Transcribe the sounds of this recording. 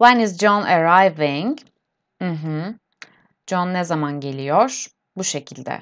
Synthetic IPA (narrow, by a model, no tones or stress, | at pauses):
wanizd͡ʒɔnaɾajvɪŋ | m̩ɦ̩ | d͡ʒɔnːɛzamanɟe̞lʲijɔɾ̥ | buʃe̞cʰilʲd̪ɛ̰